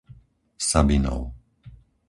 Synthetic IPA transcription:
sabinɔ̰ʊ

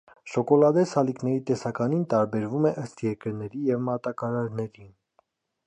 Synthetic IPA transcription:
ʃɔkɔlɑd̪ɛsɑliknɛɾit̪ɛsɑkɑnint̪ɑɾbɛɾvumɛʔəst̪jɛɾkəɾnɛɾijɛvmɑt̪ɑkɑɾɑɾnɛɾin

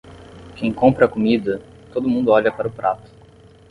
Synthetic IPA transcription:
kʰẽj̃kõmpɾɐkomid̪ɐ | t̪od̪ʊmũd̪ʊɔʎɐpaɾɐʊpɾʔat̪ʊ̥

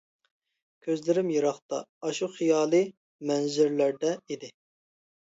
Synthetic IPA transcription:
kʲʰøzlɪɾɪmjiɾɑχt̪ɑ̰ɑʃuχijɑːlˠɨ | mɛnzyɾlæɾd̪ɛid̪ɪ

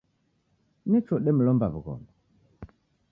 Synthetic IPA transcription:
nɛt͡ʃɔɗɛmulɔmbaβuɣɔ̰mba

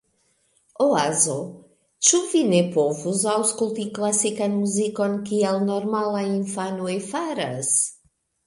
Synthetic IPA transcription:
oazo | t͡ʃuvinepovuzawskult̪iklasikanmuzikɔnkiɛlnɔɾmalaĩɱfanuefaɾɐs

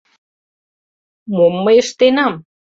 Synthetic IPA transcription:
momːəjəʃt̪enam

